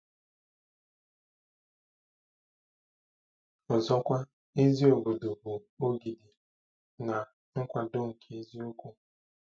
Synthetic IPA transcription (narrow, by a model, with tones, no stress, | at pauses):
ɔ˨zɔ˦kʷa˦ | e˦zi˦o˨ɡo˨do˨bo˨o˦ɡi˨di˨ | na˨ | ŋ̩˦kʷa˨do˦ŋ̩˨kʰe˨e˦zi˦o˦kʷu˦